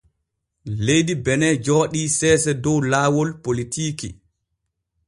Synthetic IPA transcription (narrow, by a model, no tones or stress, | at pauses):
lejdibɛnɛd͡ʒɔːɗiːsɛːsɛdɔwlaːwɔlpolitiːkḭ